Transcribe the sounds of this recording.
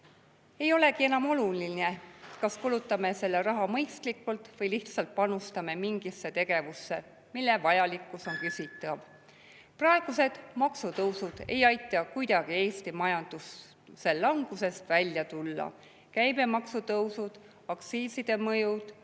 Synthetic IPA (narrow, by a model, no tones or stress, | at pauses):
e̞jo̞le̞kienɑmo̞lulinekɑskulut̪ːˑɑme̞se̞lːeɾɑɦɑmɤjst̪likːˑult̪vɤjliht̪sɑlt̪̚pɑnust̪ɑme̞miŋɡisːe̞t̪e̞ɡ̥e̞vusːe̞ | milːevɑjɑlikːˑuso̞nkysʲit̪ˑːɑv | prɑe̞ɡ̥use̞d̪̥mɑksut̪ɤwsud̪̥e̞̰jɑjt̪ˑːɑkujd̪̥ɑɡ̥ie̞ːst̪imɑjɑnd̪̥usː | e̞llɑŋɡ̥use̞st̪vælʲjɑt̪ulːɑ̰ | kæjme̞mɑksut̪ɤwsud̪̥ | ɑkt̪siːsid̪̥e̞mɤjud̪̥